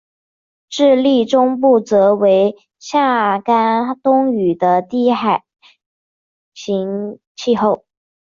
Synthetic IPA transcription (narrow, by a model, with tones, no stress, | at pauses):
ʈ͡ʂɻ̩˥˧li˥˩ʈ͡ʂʊ˥ŋp̬u˥˩t͡sɤ˧˥we˧˥ɪ | ɕja˥˩ka˥nt̪ʊ˥ŋy˨˩d̪ə˦t̪i˥˩xa˨˩ɪ | ɕi˧˥ŋ | t͡ɕʰi˥˧xo˥˩ʊ